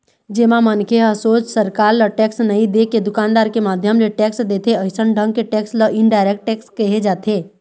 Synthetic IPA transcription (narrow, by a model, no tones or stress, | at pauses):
d͡ʒeːmãmənkʰeɦəsoːt͡ʃsəɾkaːɾləʈɛːksnɐɦĩd̪eked̪ʊkaːnd̪aːɾkemaːd̪ʱjəmleʈɛːksd̪eːt̪ʰeəɪsənɖʱə̃ŋɡkeʈɛːksləʔɪɳɖaːɪɾek̚ʈʈɛːkskɐɦed͡ʒaːt̪ʰeː